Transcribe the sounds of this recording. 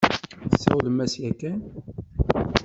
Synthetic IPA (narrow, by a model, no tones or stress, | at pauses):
əsːæwləmæsjækːæn